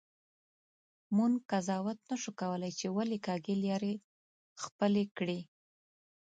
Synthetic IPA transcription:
munkazɑwat̪naʃukawəlajt͡ʃewalekɑɡeljɑɾe | xpəlekɽi

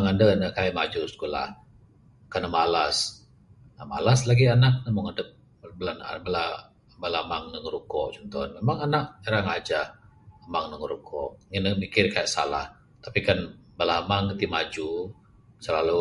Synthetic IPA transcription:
ŋandənəkajʔmad͡ʒuskula̰h | kanəmalas | ama̰laslaɡianak̚nəmɔŋadə | bəlan̰bəla | bəlamaŋnəŋəɾukɔʔt͡ʃɔnt̪ɔ̰nmemaŋanaʔ̚əɾaŋad͡ʒahəmaŋnəŋəɾukʰɔʔŋənəmikɪrkajaʔsa̰la̰h | t̪apikanbəlamaŋət̪imad͡ʒu | səlalu

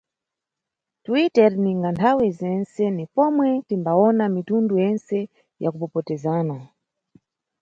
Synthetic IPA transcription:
twitɛɾniŋɡantʰawɛzɛnsɛnipɔmwɛtimbaɔnamitundujɛnsɛ | jakupɔpɔtɛzaːna

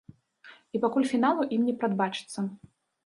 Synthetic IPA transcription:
ipakulʲfʲinalˠuʔimnʲɛpɾad̪bat͡ʂɨ̥t̪sːɐ

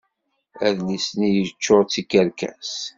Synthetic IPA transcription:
æðlisnijət͡ʃːoʁt͡sːikːəɾkæ̰s

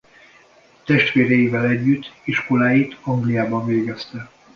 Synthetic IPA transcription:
t̪ɛʃt̪ʋeːɾɛjivɛlɛɟːyt̪ːiʃko̞laːjit̪ɒŋɡlijaːbɒɱveːɡɛst̪ɛ

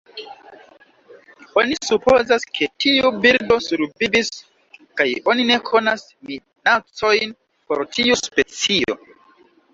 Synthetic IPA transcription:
o̞nisupo̞zaskʰe̞tʰiubiɾdo̞suɾvibis | kajo̞nine̞kʰo̞nas | mi | nat͡so̞jn | po̞ɾtʰiuspe̞t͡sio̞̰

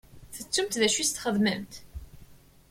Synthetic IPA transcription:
θət͡sːʊmt̪ðæʃist̪χəðməmt̪

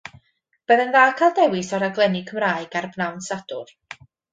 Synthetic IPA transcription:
b̥əðɛnðaːkʰalˠdɛwɪsɔɾaɡlˠɛnɪkʰəmraːɨɡarbnawnsadʊ̰r

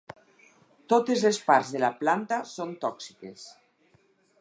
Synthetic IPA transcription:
t̪ot̪ezlespaɾzðelaplant̪asont̪ɔksikes

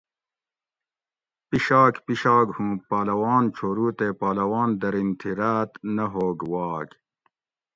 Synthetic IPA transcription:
piɕaːkpiɕaːɡhũːpaːlɐwaːnt͡ɕʰoːɾuːt̪eːpaːlɐwaːnd̪ɐɾint̪ʰiɾaːt̪nɐɦoːɡwɑːɡ

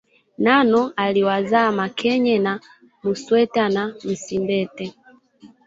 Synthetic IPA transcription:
nanɔaliwazamakʰɛɲɛna | muswɛtanam̩simbɛtɛ

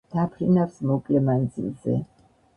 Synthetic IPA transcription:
d̪̥apʰɾinafsmɔkʼlɛmand̪zḭlˠzɛ̰

